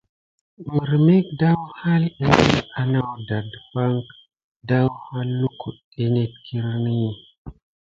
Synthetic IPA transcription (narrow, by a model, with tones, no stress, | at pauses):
mə˨ɾme˦k̚da˦wha˦lɗa˦ni˦la˦na˦wda˨dfa˦ŋk | da˦wha˦lːu˦kʰṵ˨ | e˦ne˦tkʰi˦ɾni˦